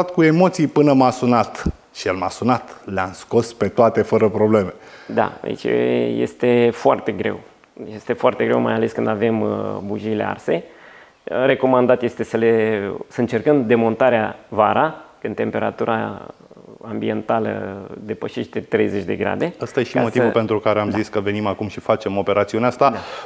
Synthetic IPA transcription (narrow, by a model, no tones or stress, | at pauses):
at̪kue̞mo̞t̪sijpɨnəmasunat̪ | ʃijelmasunat̪leamsko̞spe̞t̪oat̪e̞fəɾəpɾo̞ble̞med̪a̰a̰ḭt͡ʃjḛst̪e̞foart̪e̞ɡɾe̞̰w | jest̪e̞foart̪e̞ɡɾe̞wma̰jale̞skɨnd̪ave̞mbuʒilḛa̰rse̞ | re̞ko̞mand̪at̪jest̪e̞səlesəɨnt͡ʃe̞rkəmd̪emo̞nt̪aɾeavaɾakɨnd̪t̪e̞mpe̞ɾa̰t̪uɾʔa̰ | ambie̞nt̪alə̰d̪e̞pəʃe̞ʃt̪et̪ɾe̞̰jze̞t͡ʃʲd̪e̞̰ɡɾa̰d̪e̞ast̪ajeʃimot̪ivupe̞nt̪ɾukaɾeamziskəve̞nimakumʃifat͡ʃe̞mo̞pe̞ɾat̪siuneast̪ad̪a